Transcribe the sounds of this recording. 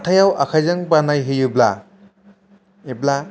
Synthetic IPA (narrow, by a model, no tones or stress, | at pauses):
tʰajawʔa̰kʰajzɯŋbanajɦijubla | ibla